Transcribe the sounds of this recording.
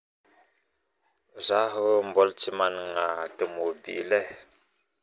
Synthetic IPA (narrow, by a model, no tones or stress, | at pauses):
zaɦəm̩bɔlt͡ʃimanŋatəmobḭlɛ